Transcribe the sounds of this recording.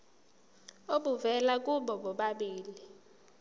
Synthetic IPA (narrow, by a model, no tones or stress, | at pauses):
oɓuvɛlak̬uɓɔɓɔɓaɓiːli